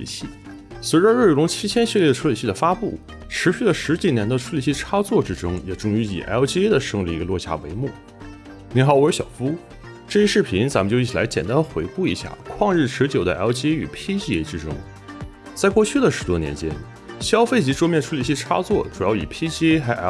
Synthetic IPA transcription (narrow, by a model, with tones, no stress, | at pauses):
ḭ˨˩ɕi˥˩ | swe˧˥ʈ͡ʂə˧ɻə˥˩lʊ˧˥ŋt͡ɕʰi˥t͡ɕʰjɛ˥nɕɛ˥˧ljɛ˥˩ə˧ʈ͡ʂʰu˥li˨˩ɕi˥˩d̪ə˩fa˥pṵ˥˩ | ʈ͡ʂʰɻ̩˧˥ɕy˥˩lə˩ʂɻ̩˧˥t͡ɕi˨˩njɛ˧˥nd̪ə˧ʈ͡ʂʰu˥li˨˩ɕi˥˩ʈ͡ʂʰa˥t͡swɔ˥˩ʈ͡ʂɻ̩˥ʈ͡ʂʊ˥ŋjɛ˨˩ʈ͡ʂʊ˥ŋy˧˥ḭ˨˩ʔa̰˧˥t͡ɕi˥e˥d̪ə˨ʂɤ˥˧ŋɻə˧˩i˧˥ɡə˧lwɔ˥˧ɕja̰˥˩wḛ˧˥ɪmu˥˩ | ni˧˥ŋxɑ˨˧˩ʊ˥˩ə˞˧˥ɕjɑ˨˩ʊfu˥ | ʈ͡ʂɤ˥˧i˥ʂɻ̩˥˩pʰi˧˥nt͡sa˧˥mə˧nt͡ɕji˥˩i˨˩la˧˥t͡ɕjɛ˨˩nt̪a˥nə˧xwe˧˥ɪku˥˩i˧˥ɕja̰˥˩kʰwɑ˥˧ŋɻɻ̩˥˩ʈ͡ʂʰɻ̩˧˥t͡ɕjo˨˩ʊd̪ə˦ʔa˧˥t͡ɕʰi˥e˥y̰˨˩pʰi˥t͡ɕi˥ɛ˧˥ʈ͡ʂɻ̩˥ʈ͡ʂʊ˥ŋ | t͡sa˥˧ɪkwɔ˥˧t͡ɕʰy˥˩d̪ə˩ʂɻ̩˧˥t̪wɔ˥njɛ̰˧˥nt͡ɕjɛ̰˥n | ɕjɑ˥ʊfe˥˩ɪt͡ɕi˧˥ʈ͡ʂwɔ˥mjɛ˥˧nʈ͡ʂʰu˥li˨˩ɕi˥˩ʈ͡ʂʰa̰˥t͡swɔ˥˩ʈ͡ʂu˨˩jɑ˥˩ʊi˨˩pʰi˥t͡ɕxa˧˥ɪʔa˧˥